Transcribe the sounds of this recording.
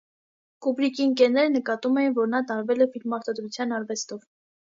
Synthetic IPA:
kubɾikinkɛnɛɾənəkɑt̪umɛjinvɔɾnɑt̪ɑɾvɛlɛfilmːɑɾt̪ɑd̪ɾut͡sʰjɑnɑɾvɛst̪ɔv

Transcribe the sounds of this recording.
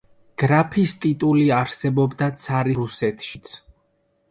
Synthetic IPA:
ɡ̥ɾapʰist̪ʼit̪ʼuliaɾsɛbɔbd̪at̪sʰaɾiɾusɛt̪ʰʃit̪sʰ

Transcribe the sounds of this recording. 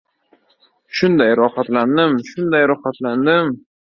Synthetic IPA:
ʃʊnd̪ajɾɒhat̪land̪ɪmʃʊnd̪ajɾɒχat̪land̪ɪm

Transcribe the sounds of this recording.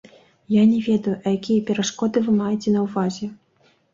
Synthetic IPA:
janʲɛvʲɛd̪ɐjuʔɐjakʲijɐpʲɛɾaʂkɔd̪ɨvɨmajɛt͡sʲɛnɐwvazʲɛ

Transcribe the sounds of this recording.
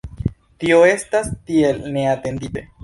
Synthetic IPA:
t̪ioest̪ast̪ielneat̪end̪ibe

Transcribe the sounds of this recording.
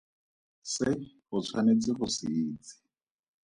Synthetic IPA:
sɪχʊt͡sʰwanet͡sɪχʊsɪːt͡sɪ̥

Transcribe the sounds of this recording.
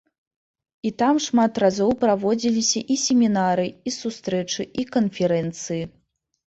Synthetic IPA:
it̪amʂmat̪razɔwpɾavɔd͡zʲilʲisʲɐʔisʲemʲinaɾɨisust̪ɾɛt͡ʂɨʔikɐnfʲɛɾɛnt̪sɨji

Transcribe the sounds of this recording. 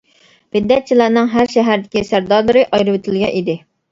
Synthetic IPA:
b̥ɪd̪ːɛt̪̚t͡ʃʰilˠɑɾnɨŋɦæɾʃɛɦæɾd̪ɪkʲisæɾd̪ɑlˠɨɾɨʔɑjɾɨwɪt̪ʰɪlɡʲɛ̰id̪ɪ

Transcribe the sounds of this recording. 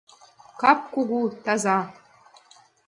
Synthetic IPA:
kʰap̚ʰkʷʊɡʷutʰaza

